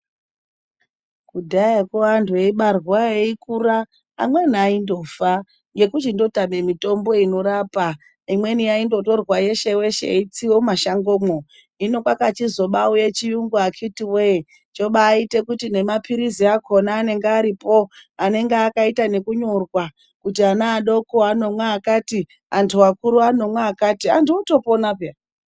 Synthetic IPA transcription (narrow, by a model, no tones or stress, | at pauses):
kudʱajekoantʰueiɓarwaeikura̰ː | mweniaindo̞fa | ŋɡe̞kut͡ʃindo̞tame̞mito̞mbo̞ino̞ɾaːpa | imwe̞niaindo̞to̞rwaje̞ʃe̞we̞ʃḛit͡siwo̞maʃaŋɡoːmo | ino̞kwakat͡ʃizoɓaujet͡ʃijuŋɡuakʰitiwe | t͡ʃo̞ɓaːite̞kutine̞mapʰiɾiziakʰo̞naːne̞ŋɡeaɾipo̞ane̞ŋɡeakaitane̞kuɲo̞rwa | kutianaːɗo̞koano̞mwaːkati | antʰuwakuɾuano̞mwaakatiantʰuoto̞ponapea